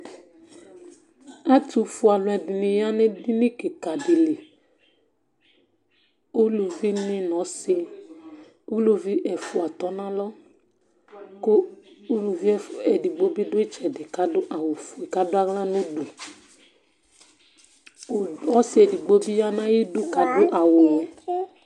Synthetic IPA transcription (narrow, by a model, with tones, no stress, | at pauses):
a˦tu˨fu˨˦a˨lʊ̃˨ɛ˨di˨nĩ˨ja˦nẽ˦di˦nĩ˦ke˨ka˨de˨le˨ | u˦lu˨vi˦nĩ˦nɔ̃˨˦se˦ | u˦lu˨vi˦ʔɛ˨fu˨˦a˨t̪ɔ˦nã˦lɔ˦ | ko˦ | u˦lu˨vi˦ɛ˨di˨ɡ͡bo˦bi˦do˦e˦t͡ʃɛ˨de˨ka˦do˦ʔa˨wo˨fu˨e˨ka˦do˦a˦ɣlã˦nõ˦du˨ | ɔ˦se˦ɛ˨di˨ɡ͡bo˦bi˦ja˦nã˦ji˦do˦ka˨do˦ʔa˨wo˨jɛ˨˦